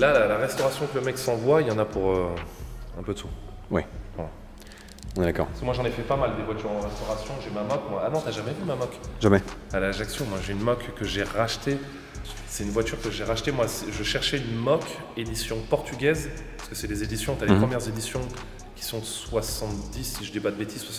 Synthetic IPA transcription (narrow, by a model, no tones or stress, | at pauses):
lalalaʁɛst̪ɔʁasjɔ̃kləmɛksɑ̃vwailɑ̃napuʁø | ɛ̃pød̪əsu | wɛwɛ | ɔ̃nɛd̪akɔ̰ʁpaskmwaʒɑ̃nefɛpamald̪evwat̪yʁɑ̃ʁɛst̪ɔʁasjɔ̃ʒemamɔkmwaanɔ̃t̪yaʒamɛymamɔkʒamɛalaʒaksjɔ̃mwaʒeynmɔkːəʒeʁaʃt̪e | sɛt̪ynvwat̪yʁkəʒeʁaʃt̪emwasɛʒəʃɛʁʃɛynmɔk | ed̪isjɔ̃pɔʁt̪yɡʲɛz | paʁskə̥sɛd̪ezed̪isjɔ̃t̪yalepχəmjɛʁzed̪isjɔ̃ | kʲi̥sɔ̃swasɑ̃t̪d̪isːiʒəd̪ipad̪əbet̪ʰizswasɑ̃